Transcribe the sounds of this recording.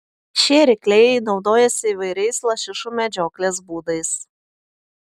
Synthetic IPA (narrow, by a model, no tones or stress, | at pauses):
ʃʲeːɾʲɪklʲɛɪjɛɪnɒʊd̪oːjɛsʲɪiːʋɐɪɾʲɛɪslˠɐʃʲɪʃuːmʲɛd͡ʒʲoːklʲeːsbuːd̪ɐɪs